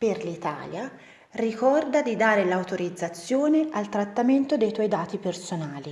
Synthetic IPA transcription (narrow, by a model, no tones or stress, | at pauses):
perlit̪a̰ːlja | rikɔrd̪ad̪id̪aːɾelawt̪oɾid̪zːat̪sːjoːnealt̪ɾat̪ːament̪od̪ejt̪wɔjd̪aːt̪ipersonaːli